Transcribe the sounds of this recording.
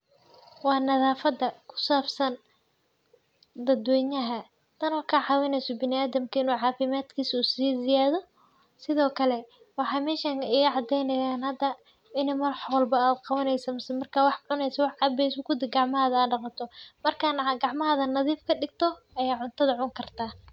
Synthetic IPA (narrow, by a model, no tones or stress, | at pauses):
wɑːnɐðaːfɐd̪ɐkʰʊ̥saːbsɐn | d̪ɐd̪wɛːɲɐɦɐ | t̪ʰɐnɔkʰɐʕɑwɪnɛjsɔbɪnɪaːðɐmkʰɐɪnuːʕɑːfɪmaːd̪kʰiːsuːsiːzɪjaːðɔ | sɪðɔːkʰɐlɛ | wɑħɑːmɛːʃaːŋɪɣʕɑd̪ɛjnɐjaːnhɐd̪ɐ | ɪnɪmɐrħwɐlbɐaːd̪qɑβɐnɛjsɐmɪsɛmɐrkʰaːwɑħʕʊnɛjsɐwɑħʕɑbɛjsʊkʰʊd̪ɪɡɑʕmɐɦaːðɐːɖɑqɑt̪ʰɔmɐrkʰanaɡɑʕmɐɦɐðɐnɐðiːfkʰɐɖɪɡ̚t̪ʰɔ | ɐjaːʕʊnt̪ʰɐðɐʕʊŋkʰɐrt̪ʰaː